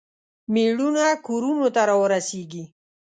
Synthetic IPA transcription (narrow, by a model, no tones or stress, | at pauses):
meɽunakoɾunot̪aɾɑwəɾaseɡi